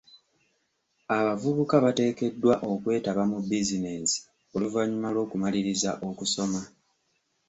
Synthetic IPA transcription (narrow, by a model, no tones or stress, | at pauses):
aβavuβukaβate̞ːke̞dːwaʔo̞kwe̞ːtaβamubizine̞si̥ | o̞luvaɲːumalo̞ːkumaliɾizaʔo̞kuso̞ma